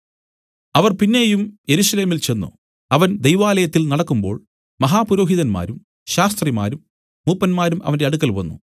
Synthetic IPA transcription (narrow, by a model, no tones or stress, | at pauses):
ɐʋɐrpinːe̞ːjumje̞ɾuɕɐle̞ːmilt͡ɕe̞nːṵ | ɐʋɐnd̪ejʋaːlɐjɐt̪ːilnɐɽɐkːumbo̞̰ːɭ | mɐɦaːpuɾo̞ːɦiðɐnma̰ːɾum | ɕaːst̪rima̰ːɾumː | uːpːɐnmaːɾumʔɐ̰ʋɐnde̞ɐɽukːɐlʋɐnːṵ